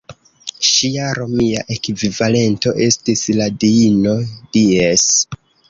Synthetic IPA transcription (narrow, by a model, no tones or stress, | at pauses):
ʃiaɾo̞miaʔe̞kvivale̞nto̞ʔe̞stisladiino̞dies